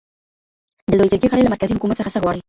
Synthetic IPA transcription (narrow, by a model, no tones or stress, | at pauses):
d̪əlojd͡ʒəɾɡeɣaɽəjlamaɾkazihʊkumat̪səxasəɣwɑɽə